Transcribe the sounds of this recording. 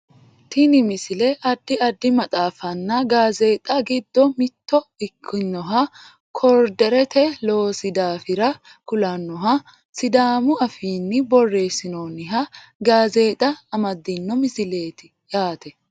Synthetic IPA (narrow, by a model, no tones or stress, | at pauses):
t̪ʰɪnɪmɪsɪlɛʔɐd̪ːɪɐd̪ːɪmɐt̪ʼaːfɐnːɐɡaːze̞ːt̪ʼɐɡɪd̪ːɔmɪt̪ːɔɪkʰːɪnːɔɦɐ | kʰɔɾd̪ɛɾɛt̪ʰɛloːsɪd̪aːfɪɾɐ | kʊlɐnːɔɦɐ | sɪd̪aːmʊɐfiːnːɪbɔrːe̞ːsːɪnoːnɪɦɐ | ɡaːze̞ːt̪ʼɐːmɐd̪ːɪnːɔmɪsɪle̞ːt̪ɪ̥ | jaːt̪ɛ